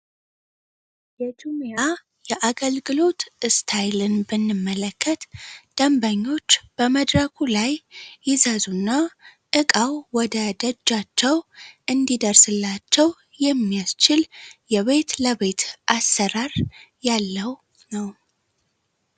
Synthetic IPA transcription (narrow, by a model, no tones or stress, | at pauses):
jɛt̪ʰomja | jɛʔaɡəlɡɨlo̞t̪ɨst̪ʰajlɨnbɨnːɨmːələkʰːət̪d̪̥əmbaɲːo̞t͡ʃːb̥əməd̪ɾəkʰulajːɪzazunːaʔɨkʼawwɔd̪əd̪əd͡ʒːat͡ʃːɛwʔɨnd̪id̪əɾsɨlːat͡ʃːɛw | jɛmːijast͡ʃɪljɛβe̞t̪ləβe̞t̪ʔasːəɾaɾjalːəw | nəw